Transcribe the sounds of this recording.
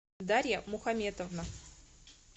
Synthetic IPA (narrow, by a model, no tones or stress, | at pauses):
d̪aɾʲjəmʊxɐmʲet̪əvnə